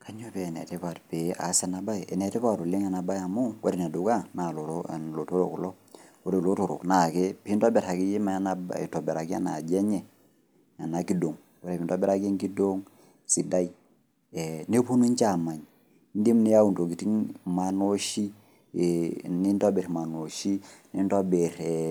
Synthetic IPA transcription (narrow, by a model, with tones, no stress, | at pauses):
ka˨ɲo˦pɛ˨nɛ̰˨te˦pa˨tpe˨a̰˨˦sɛ˨na˨ba˦˨ɛ˨nɛ˨te˦pa˦˨tu˨li˦ŋa˨na˨ba˦ja˨mo˦ɡo˦ɾe˨ne˨du˨ka˦na˨lo˨to˦˨nlo˨to˦ɾo˨ku˨lo˦ | ko˦ɾe˨lo˦to˨ɾo̰˨kna˨ke˦pi˦ntɔ˦bɛ˨ɾha˨ki˦ji˦ma˨a˦na̰˨to˨bɛ˨ɾa˨ki˦a̰˦na˨d͡ʒɛ˦ɲɛ˨ | a˨na˨ki˦do˨ŋ | ko˦ɾe˨pi˨ntɔ˦bɛ˦ɾa˦ke˦ŋki˦do˦ŋ | si˨da˦i˦ | ɛ˨ne˦pu˦nu˦ɲt͡ʃa˨ma˨ɲ | n˦di˦mni˦ja˦u˨nto˨ɡi˨ti˦ŋma˨no˦ʃi˦ | ni˦ntɔ˦be˨ɾma˨no˨ʃi˦ni˦ntɔ˦be˨ɾ